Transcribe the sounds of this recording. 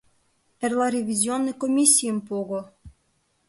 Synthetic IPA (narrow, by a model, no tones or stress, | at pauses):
erlˠɑɾʲevʲizʲionːɤjkomʲisʲːijəmpoɣo